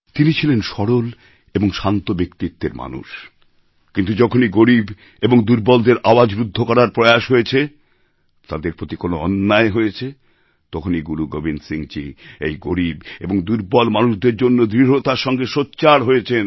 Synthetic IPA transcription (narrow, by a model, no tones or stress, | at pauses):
t̪init͡ɕʰilenʃɔɾol | eboŋʃant̪obekt̪it̪ːeɾma̰nṵʃ | kint̪ud͡ʑɔkʰoniɡoɾib | eboŋd̪uɾbɔld̪eɾʔaoad͡ʑbɾud̪ʱːokɔɾaɾpɾɔjaʃɦojet͡ɕʰe | t̪ad̪eɾpɾot̪ikonoɔnːaeɦojet͡ɕʰe | t̪ɔkʰoniɡuɾuɡobʱinsiŋt͡ɕiḛjɡoɾibḛboŋd̪uɾbɔlmanuʃd̪eɾd͡ʑonːod̪ɾiɦot̪aɾʃɔŋɡeʃotːɕaɾɦojet͡ɕʰen